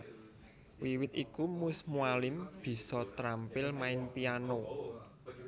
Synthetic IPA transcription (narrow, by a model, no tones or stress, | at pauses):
wiwɪt̪̚ikumʊsmualɪmb̥i̤sɔt̪ɾampɪlmaɪnpiano